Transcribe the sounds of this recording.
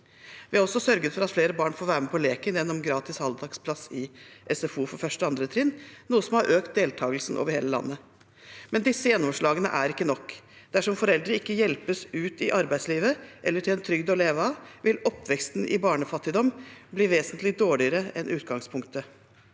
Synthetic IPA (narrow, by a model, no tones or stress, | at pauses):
ʋɪhɑɾɔsːɔsœɾɡət̪fɔɾɑt̪fleːɾəbɑːɳfoːʋæːɾəmɛpʰɔleːkənjɛnːɔmɡɾɑːt̪ɪshɑld̪ɑkspʰlɑsɪʔɛsɛfuːfɔɾfœʂʈəɑnd̪ɾət̪ʰɾɪnnuːəsɔmhɑɾʔøːkt̪̚d̪eːlt̪ʰɑːɡəlsn̩ʔo̰ʋəɾheːləlɑ̰nːə | mɛnd̪ɪsːəjɛnːɔmʂɭɑːɡənə̰ʔæɾɪkːənɔkː | d̪̥æʂɔmfɔɾɛld̪ɾəɪkːəjɛlpəsʉːt̪ɪʔɑɾbæɪd̪sliːʋəʔɛlːəʈʰɪlɛnt̪ʰɾʏɡd̪ɔleːʋəɑʋɪlɔpːʋɛkst̪n̩ʔɪ̰bɑːɳəfɑt̪ːɪd̪ɔmbliːʋeːsənt̪lɪd̪oːɭɪəɾəɛnʔʉːt̪̚ɡɑŋspʰʊŋkt̪ə